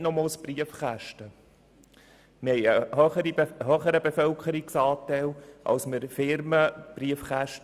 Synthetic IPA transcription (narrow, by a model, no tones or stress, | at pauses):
nɔmoːlsb̥riəfχæʃtə | məhɛɪəhœχəɾiɦœχəɾəbefœlkχəɾiksɑːtɛlʔɑ̰wsməɾfɪɾməb̥riəfχæʃt